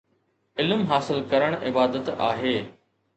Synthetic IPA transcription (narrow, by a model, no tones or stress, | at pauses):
ɪlmɦaːsɪlkɐɾəɽ̃ʔɪbaːd̪ət̪a̰ːɦeː